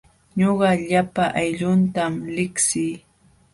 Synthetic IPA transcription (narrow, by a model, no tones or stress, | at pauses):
ɲoɢɑʎapaʔajʎʊnt̪amlɪksɪː